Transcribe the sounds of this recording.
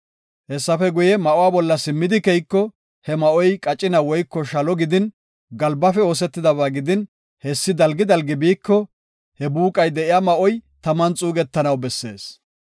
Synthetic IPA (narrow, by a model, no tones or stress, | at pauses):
hɛsːɐfɛɡʊjɛmɐʔʊwaːbɔlːɐsɪmːɪd̪ɪkɛjkːɔ | hɛmɐʔɔjkʼɐt͡ʃʼːɪnɐwɔjkːɔʃɐlɔɡɪd̪ɪn | ɡɐlbɐfɛo̞ːs̬ɛt̪ːɪd̪ɐβaːɡɪd̪ɪn | hɛsːɪd̪ɐlɡɪd̪ɐlɡɪbiːkːɔ | hɛbuːkʼɐjd̪ɛʔɪjaːmɐʔɔjt̪ɐmɐnt͡sʼuːɡɛt̪ːɐnɐwbɛsːe̞̰ːs